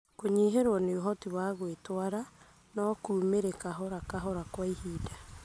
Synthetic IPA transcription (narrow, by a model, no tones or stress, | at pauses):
koɲiɦeɾwɔneoɦɔtiβwaɣwetwaɾa | nɔkuːmeɾekaɦɔɾakaɦɔɾakwaihiːda